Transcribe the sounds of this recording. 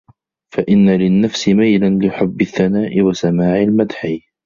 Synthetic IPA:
faʔɪnːalɪnːafsɪmajlanlɪħʊbːɪθːanaːʔɪwasamaːʕɪlmad̪ħi

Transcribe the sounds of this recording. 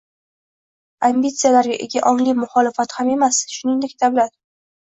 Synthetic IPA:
ambit̪sɨjalaɾɡʲaʔeɡʲaʔɒŋlɪmʊχɒlɪfat̪hame̞masʃʊnɪŋd̪ekʲd̪ablat̪̚

